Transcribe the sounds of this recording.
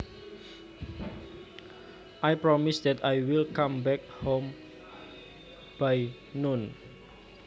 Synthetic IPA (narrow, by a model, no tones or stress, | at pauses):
ʔajpɾɔmisd̪ɛt̪ajwilkãmbɛk̚hom | b̥aj | nun